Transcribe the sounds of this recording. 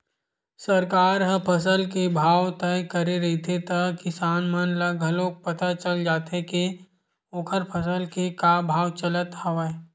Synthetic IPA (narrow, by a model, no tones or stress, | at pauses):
səɾkaːɾɦəpʰəs̬əlkebʱaːwt̪ɛjkəɾeɾɐɦit̪ʰet̪ɐkɪsaːnmənlaɡʱəlõːk̚pɐt̪at͡ʃəld͡ʒaːt̪eke | oːkʰəɾpʰɐsəlkekabʱaːwt͡ʃələt̪hɐʋə